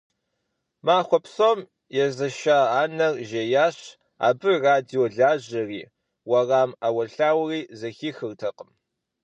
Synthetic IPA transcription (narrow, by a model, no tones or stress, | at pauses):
maːxʷɔpsoːm | jɛzɐʃaːaːnɐrʒejaːɕ | a̰ːbɨraːdijoɮaːʑɐrḭː | wɐraːmawɐɬaːwriːzɐxiːxɨrtʰɐqəm